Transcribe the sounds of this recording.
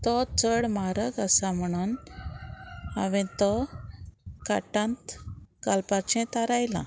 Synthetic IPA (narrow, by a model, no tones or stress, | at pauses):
t̪ɔt͡səɽmaɾəɡəsam̤əɽ̃uːn | a̰ʋẽt̪ɔ | kaʈãnt̪kalpat͡ɕɛ̃t̪aɾajlã̰